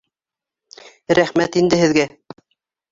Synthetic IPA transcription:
ɾæχmæt̪ind̪ɘhɘ̆ðɡæ

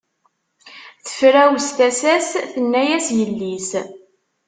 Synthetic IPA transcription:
θə̥fɾæwst̪æsæsθənːæjæsjəlːis

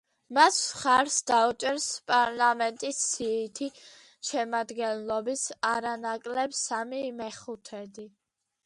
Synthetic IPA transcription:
masχaɾsd̪aut͡ʃʼɛɾspʼaɾlamɛnt̪ʼisːiːt̪ʰi | ʃɛmad̪ɡɛnlˠɔbisaɾanakʼlɛbsamimɛχut̪ʰɛd̪i

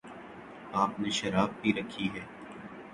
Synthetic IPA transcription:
aːpneʃɐɾaːb̚biɾɐkʰːiɦɛː

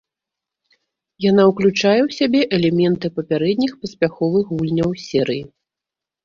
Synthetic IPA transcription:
janawklʲut͡ʂajɛwsʲabʲɛʔɛlʲɛmʲɛnt̪ɨpɐpʲaɾɛd̪̚ʲnʲixpɐsʲpʲaxɔvɨxɣulʲnʲɐwsʲɛɾɨji

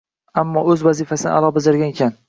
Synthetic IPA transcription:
amːɒɵzvazifasɪnɪ̰ʔa̰lˠɒbɪzɪɾɡʲanekʲʰan

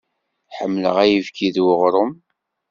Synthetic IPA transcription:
ħəmːlə̰ʁæjivkiðwəʁɾˤəm

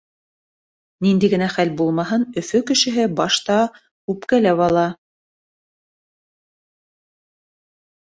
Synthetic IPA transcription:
nind̪iɡɘ̆næχælbulˠmɑɦɤnɵ̆fɵkɘ̆ʃɘ̆ɦɘbɑʃt̪ɑ | ʉpkælæwɑlˠɑ

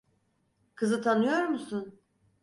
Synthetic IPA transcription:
kʰɯzɯt̪ʰanɯjoɾmusun

